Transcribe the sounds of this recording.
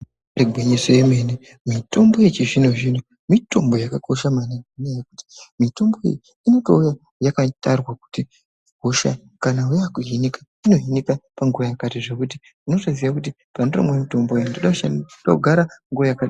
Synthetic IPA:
riɡʱweɲeseemene | mito̞mbo̞jet͡ʃiʐinuʐin̤u | mito̞mbo̞jakako̞ʃamanananiajeku̥ti̥mito̞mbo̞jḛji | ino̞to̞uja | jakatarwaku̥ti | ko̞ʃa̰ | kanaujakuɦinikḁ | ino̞ɦinikapaŋɡuʋajakatiʐe̞kuti | uno̞ʐoziʋakut̬i | panero̰mwemito̞mboandoɗaʃaɗakuɡʱaɾaŋɡuʋajaka

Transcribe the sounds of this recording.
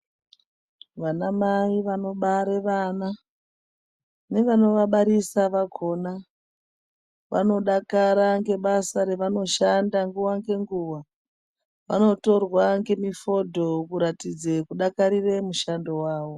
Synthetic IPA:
ʋanamaiʋano̞ɓaɾeʋana | ne̞ʋano̞ʋaɓaɾisaʋakʰo̞na | ʋa̰no̞ɗakaɾaŋɡe̞ɓasaɾe̞ʋano̞ʃandaŋɡuwaŋɡe̞ŋɡuwa | ʋa̰no̞to̞rwaŋɡe̞mifo̞dʱo̞kuɾatid͡zekuɗakaɾire̞muʃando̞waːʋo̞

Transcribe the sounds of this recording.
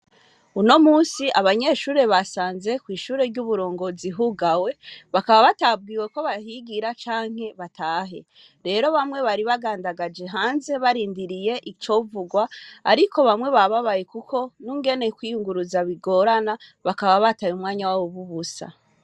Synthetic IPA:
uno̞muːsiʔaβaɲe̞ʃuːɾe̞βasaːnze̞kwiːʃuːɾe̞ɾɟuβuɾo̞ːŋɡo̞ziɦuɡawe̞βakaβaβatab̚ɡiːwe̞ko̞βaɦiɡiɾat͡ʃaːŋ̥he̞βatʰaːɦe̞ | ɾe̞ɾo̞βamŋwe̞βaɾiβaɡaːndaɡad͡ʒe̞ɦaːnze̞βaɾiːndiɾije̞ʔit͡ʃo̞vuɡwaa̰ɾiko̞βamŋwe̞βaβaβajekukʰo̞nuːŋɡe̞ne̞kwijuŋɡuɾuzaβiɡo̞ːɾanaβakaβaβatajumŋaːɲawawoβuβusa̰

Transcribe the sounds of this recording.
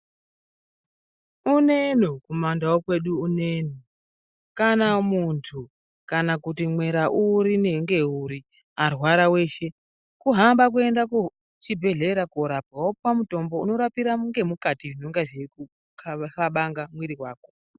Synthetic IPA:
une̞nokumandawokwe̞ɗuːneno | kanamuntʰu | kanakutimwe̞ɾaʔuɾine̞ŋɡe̞uɾi | arwaɾawe̞ːʃe̞ | kuɦambak̬ue̞ndaku | t͡ʃibʱe̞ɮe̞ɾakoɾab̚awoppamuto̞mbo̞uno̞ɾapiɾaŋɡe̞mukatiʐino̞ŋɡaʐeku | kʰfaɓaŋɡamwiɾiwaːko

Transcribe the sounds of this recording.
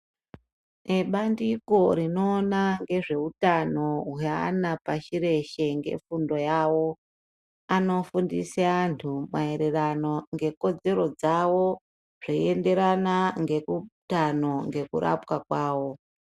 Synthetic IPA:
eɓandiko̞ɾino̞ːnaŋɡe̞ʐe̞utano̞ɦja̰ːnapaʃiɾe̞ʃe̞ŋɡe̞̰fundo̞jawo̞ | ano̞fundiseantʰumae̞ɾerano̞ŋɡe̞ko̞d͡ze̞ɾo̞d͡zawo̞ | ʐ̥oiende̞ɾanaŋɡe̞kutano̞ŋɡe̞kuɾa̰pkakwaːwo̞

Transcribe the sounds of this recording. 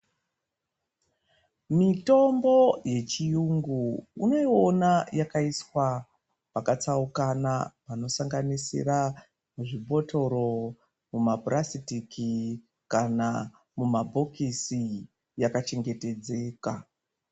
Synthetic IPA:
mito̞mbo̞je̞t͡ʃijuŋɡuːno̞io̞najakaiswa | pakat͡saukanapano̞saŋɡanisḭra | muʐibʱo̞tʰo̞ɾo̞ | mumabʱrasitiki | kana | mumabʱo̞kisi | jakat͡ʃe̞ŋɡe̞te̞d͡ze̞ːka

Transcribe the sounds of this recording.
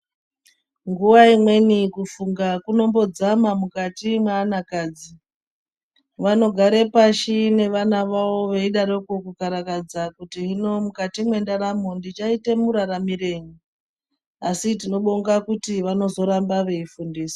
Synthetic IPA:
ŋɡuʋaimwe̞nikufuŋɡakuno̞mbo̞d͡zamamukatimweːnakaːd͡zi | ʋano̞ɡʱaɾe̞paʃine̞ʋanaʋawo̞ʋeiɗaɾokokukaɾakad͡zakutiɦino̞mukatimwe̞ndaɾamondit͡ʃaite̞muɾaɾamiɾe̞ɲi | asit̬ino̞ɓoŋɡakutiʋano̞zo̞ɾambaʋe̞ifundiːsi̥

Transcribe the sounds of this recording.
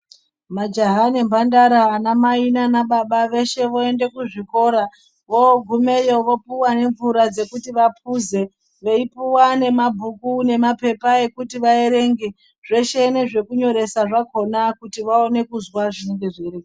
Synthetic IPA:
mad͡ʒaɦane̞mbandaɾaːnamainanaɓaɓaʋe̞ʃe̞ʋo̞e̞nde̞kuʐiko̞ɾa | ʋoɡʱume̞jo̞ʋo̞puwane̞ɱvuɾad͡ze̞kutiʋap̚ʰuze̞ | ʋe̞ipuwane̞mabʱukune̞mape̞pae̞kutiʋae̞ɾe̞ːŋɡe | ʐ̥e̞ʃe̞neʐe̞kuɲo̞ɾe̞saʐako̞nakutiʋaone̞kuzwaʐine̞ŋɡe̞ʐeɾe

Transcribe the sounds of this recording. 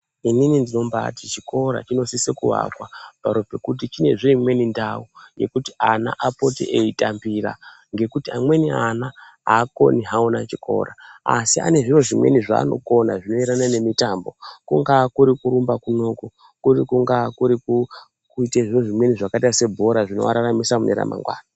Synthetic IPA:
ininindino̞mba̰tit͡ʃiko̞ɾa̰t͡ʃino̞sisekṵɦa̰kwapaɾopekut̬it͡ʃine̞ʐiimwe̞nindauje̞̰kutiana̰ʔapo̞tḛʔeitambira̰ | ŋɡe̞kutiamwe̞niana | ako̞̰niɦaonat͡ʃikʰo̞̰ɾaasia̰ne̞ʐiro̞ʐimwe̞̰niʐa̰ːno̞̰ko̞naʐino̞iɾanane̞mitambo̞̰kuŋɡakuɾikuɾumbakuno̞ku | kurikuŋɡakuɾiku | kuiteʐino̞ʐimwe̞niʐakatase̞bʱo̞ɾaʐino̞ʋa̰ɾaramisamunḛɾa̰ma̰ŋɡwa̰ːna

